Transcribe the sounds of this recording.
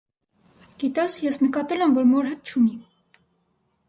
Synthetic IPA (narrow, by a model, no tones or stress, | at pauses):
ɡ̥it̪ɑsjɛsnəkɑt̪ɛlɛmvɔɾmɔɾɦɛt̪̚t͡ʃʰuni